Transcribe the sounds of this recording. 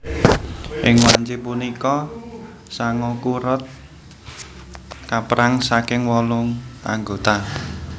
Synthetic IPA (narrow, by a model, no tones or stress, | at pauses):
ʔɪŋwaɲt͡ʃɪpunikɔ | saŋɔkuɾɔt̪̚ | kapɾaŋsakɪŋwɔlʊŋa̰ŋɡot̪a